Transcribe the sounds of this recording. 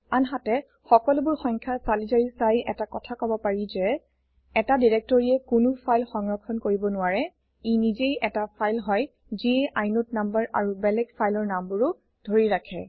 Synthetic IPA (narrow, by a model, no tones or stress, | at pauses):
anɦatɛ | xɔkɔlʊbʊɹxɔŋkʰasalizaɹisajʔɛtakɔtʰakɔbɔpaɹizɛ | ɛtadiɹɛk̚tɔɹiɛkʊnʊpʰajlxɔŋɹɔkʰɔnkoɹibɔnʊaɹɛ | inizejʔɛtapʰajlɦɔj | ziʔajnʊt̚nambaɹa̰ɹubɛlɛɡpʰajlɔɹnambʊɹʊ | d̥ʱoɹiɹakʰɛ̰